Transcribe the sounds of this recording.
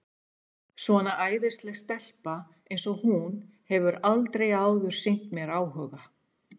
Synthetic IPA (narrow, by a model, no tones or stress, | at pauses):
svɔnaʔaːjðɪst̪lɛst̪ɛl̥pa | ejnsɔhun | hɛvʏɾalt̪ɾejaːwðʏɾ̥sejn̥t̪mjɛɾaːwɦœːɣa